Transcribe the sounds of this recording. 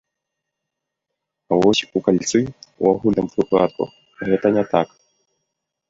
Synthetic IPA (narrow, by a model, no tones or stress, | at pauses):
awɔsʲukalʲt̪sɨṵaɣulɐmfuplˠatk̪ɔ̰ | ɣɛt̪ɐnʲɛt̪ak